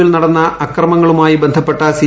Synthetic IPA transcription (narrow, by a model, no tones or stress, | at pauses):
ilnɐɽɐnːɐɐkrɐmɐŋːɐɭumaːjibe̞nd̪ʱɐpːe̞ʈːɐsi